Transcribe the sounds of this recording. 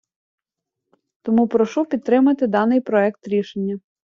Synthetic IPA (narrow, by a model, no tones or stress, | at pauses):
t̪ɔmupɾɔʃupʲid̪̚t̪ːɾɪmɐt̪ɪd̪ɑnɪjpɾɔɛkt̪ɾʲiʃenʲːɐ